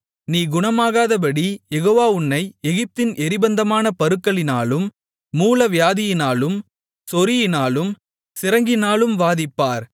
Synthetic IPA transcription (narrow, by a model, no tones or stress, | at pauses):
niːɡʊɳɐmaːɣaːðɐp̬ɐɽijɛɣoːʋaːʊɳːɐɪɛɣɪp̚t̪ɪnʔɛɾɪbɐnd̪ɐmaːnɐpɐɾɯkːɐɭɪna̰ːlɯmː | uːlɐʋɪjaːðɪjɪnaːlɯm | sɔɾɪjɪnaːlɯm | sɪɾɐŋɡɪnaːlɯmʋaːðɪpːaːɾ